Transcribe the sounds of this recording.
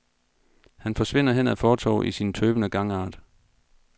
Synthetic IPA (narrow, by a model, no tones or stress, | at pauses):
hænfɒ̽sʋe̝n̰ɐɦen̰æfɒːt͡sʰɒ̰ːʔisint͡sʰøːb̥ənəɡ̥ɑ̈ŋɑ̈ːd̥